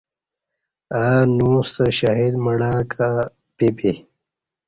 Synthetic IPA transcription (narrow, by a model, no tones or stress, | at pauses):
anuːst̪aɕaɦid̪mɐɽãːkʰa | pepe